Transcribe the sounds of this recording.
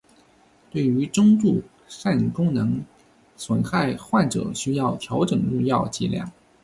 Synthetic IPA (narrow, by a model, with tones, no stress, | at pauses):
t̪we˥˩ɪy˧˥ʈ͡ʂʊ˥ŋt̪u˥˩ | ʂa˥˩n˨kʊ˥ŋnɤ˧˥ŋ | swə˨˩nxa˥˧ɪxwa˥˩nʈ͡ʂɤ̰˨˩˦ɕy˥jɑ˥˩ʊt̪ʰjɑ˧˥ʊʈ͡ʂɤ˨˩ŋɻu˥˧ŋjɑ˥˧ʊt͡ɕḭ˥˩ljɑ̰˥˩ŋ